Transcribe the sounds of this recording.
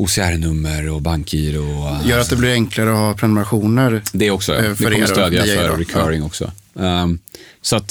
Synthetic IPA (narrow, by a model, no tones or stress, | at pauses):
uːsɪæɾnɵmːəɾɔbaŋkʰiːɾɔjœːɾat̪̚d̪ɛblɪɾɛŋklaɾəɔhɑːpʰɾɛnmɾaɧuːnəɾd̪ɛæɾɔksɔdɛɔmːəɾt̪øːd̪jafœɾɾɛkʰvœɾɪŋɔksɔ̰ | sɔat̪